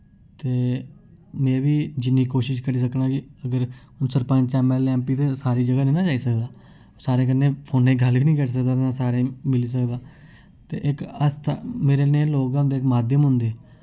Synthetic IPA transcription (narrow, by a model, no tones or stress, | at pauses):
t̪eː | mɛ̃ːʋiːd͡ʒɪnːiːkoːʃɪʃkəɾiːs̬əknãːkɪəɡəɾ | ʊnsəɾpə̃d͡ʒt͡ʃaːmɛːlɛ̃ːmpiːt̪eːsaːɾiːd͡ʒəɡaːnẽːnãːd͡ʒaːiːsəkd̪aː | saːɾẽːk̬ənːẽːpʰoːnẽːɡəlknĩːkəɾs̬ək̚d̪aːãːsaːɾẽːmɪliːs̬əkd̪aː | t̪ḛːʔɪkəst̪ʰameːɾeːnẽːloːkaʊ̃nd̪eːkmaːd̪jəmɦʊ̃nd̪eː